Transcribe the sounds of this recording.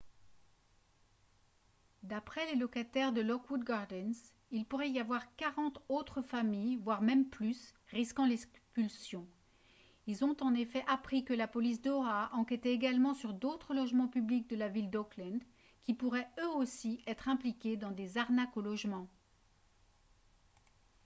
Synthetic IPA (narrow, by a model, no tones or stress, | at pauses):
d̪apχɛlelɔkat̪ɛʁd̪əlɔkwud̪̚ɡaʁd̪ɛns | ilpuʁɛijavwaʁkaʁɑ̃t̪ot̪χəfamijvwaʁmɛmplysʁiskɑ̃lɛpylsjɔ̃ | ilzɔ̃t̪ɑ̃nefɛʔapχikəlapɔlis̬d̪ɔaʔɑ̃kʲɛt̪eːɡalmɑ̃syʁd̪ot̪χəlɔʒmɑ̃pyblik̚d̪əlavild̪ɔklɛ̃d̪ | kʲipuʁɛøosiɛt̪χɛ̃plikʲed̪ɑ̃d̪ezaʁnakolɔʒmɑ̃